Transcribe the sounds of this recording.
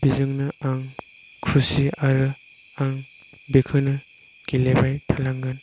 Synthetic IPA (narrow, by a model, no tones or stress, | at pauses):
b̥izɯŋnɯaŋ | kʰusiaɾɯ | aŋ | bekʰɯnɯ | ɡ̥ilebajtʰalaŋɡɯn